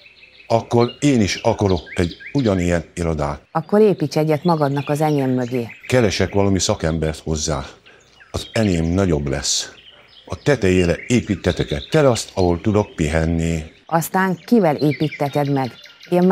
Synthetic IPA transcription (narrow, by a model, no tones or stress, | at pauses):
ɒkːo̞ɾeːniʃɒkɒɾo̞kɛɟuɟɒnijɛniɾod̪aːt̪ɒkːo̞ɾeːpiːt͡ʃɛɟːɛt̪mɒɡɒd̪nɒkɒzɛneːmːøɡeːkɛɾɛʃɛkʋɒlɒmisɒkɛmbɛrt̪ho̞zːaː | ɒzɛneːmnɒɟo̞blɛs | ɒt̪ɛt̪ɛjeːɾɛeːpiːt̪ːɛt̪ɛkɛt̪t̪ɛlɒst̪ʰɒɦo̞lt̪ud̪o̞k̚piɦɛnːiɒst̪aːŋkivɛleːpiːt̪ːɛt̪ɛd̪mɛɡem